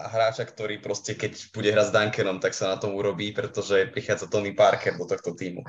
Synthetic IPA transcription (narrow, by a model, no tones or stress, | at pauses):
aɦɾaːt͡ʃakt̪ɔɾiːpɾɔscɛkɛcb̥uɟɛɦɾaɟzd̪aŋkɛnɔmt̪aksanat̪ɔmuɾɔbiːpɾɛt̪ɔʒɛpɾixaːd͡zat̪ɔniːpaɾkɛɾd̪ɔt̪ɔxt̪ɔt̪iːmṵ